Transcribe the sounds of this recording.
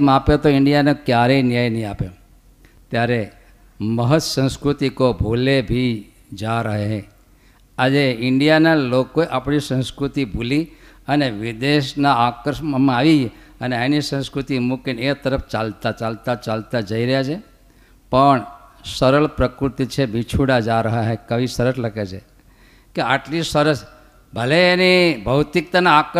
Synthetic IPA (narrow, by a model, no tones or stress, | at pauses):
m̃apjet̪oɪɳɖijanekjaɾenjajnəɦĩapo | t̪jaɾe | məɦət̪əsə̃nskɾut̪ikobʱolebʱi | d͡ʒaɾəɦeɦe | ad͡ʒeɪɳɖijanalokoeʔapɳisə̃wskɾut̪ibʱuli | əneʋɪd̪eʃnaakəɾʃməmãaʋid͡ʒeəneenisə̃nskɾut̪imukinet̪əɾəft͡ʃalt̪at͡ʃalt̪at͡ʃalt̪ad͡ʒəiɾəɦjat͡ʃʰe | pəɳsəɾəɭpɾəkɾut̪it͡ʃʰebit͡ʃʰuɽad͡ʒaɾəɦaɦekəʋisəɾəsləɡet͡ʃʰe | keaʈlisəɾəs | bʱəleːnibʱəwt̪ik̚t̪anaak